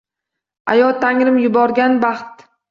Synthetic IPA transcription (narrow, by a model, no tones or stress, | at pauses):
a̰jɒt̪ʰaŋɾɪmjʊbɒɾɡʲanbaχt̪